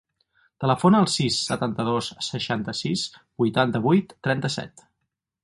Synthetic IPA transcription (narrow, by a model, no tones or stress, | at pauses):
t̪ələfonəːlˠsisːət̪ant̪əðossəʃant̪əsisbujt̪ant̪əβujt̪ːɾɛnt̪əsɛ̰t̪